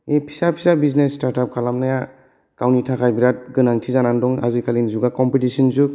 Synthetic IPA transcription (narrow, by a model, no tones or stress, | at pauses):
epʰi̥sapʰi̥sabiznestaɾtap̚kʰalamnaja | kawnitʰakʰajbiɾat̚ɡɯnaŋtʰizanandɔŋa̰zikʰalinizuɡakɔmpitisinzuk